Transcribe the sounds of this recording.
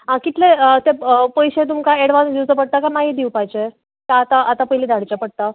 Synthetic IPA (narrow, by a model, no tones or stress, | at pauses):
ɦãkit̪leət̪epəjɕet̪̬umkaeɽʋand̪iwt͡səpəɽ̚t̪akamaɦid̪iwpajt͡ɕe | kaːt̪aʔat̪apəɦiliːd̪ʱaɽt͡ɕapəɽ̚t̪a